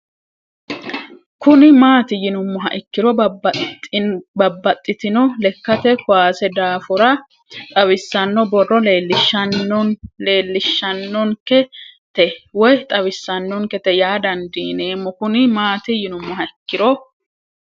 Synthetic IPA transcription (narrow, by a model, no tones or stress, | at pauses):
kʊnɪmaːt̪ɪjɪnʊmːʊɦɐ̰ʔɪkːɪɾɔ | bɐbːɐt̪ʼːɪt̪ɪnɔlɛkːɐt̪ɛkʊwaːsɛd̪aːfʊɾɐ | t̪ʼɐwɪsːɐnːɔbɔrːɔleːlːɪʃ | le̞ːlːɪʃːɐnːɔŋkɛt̪ɛwɔjt̪ʼɐwɪsːɐnːɔŋkɛt̪ɛjaːd̪ɐnd̪iːne̞ːmːɔkʊnɪmaːt̪ɪjɪnʊmːʊɦɐɪkːɪɾɔ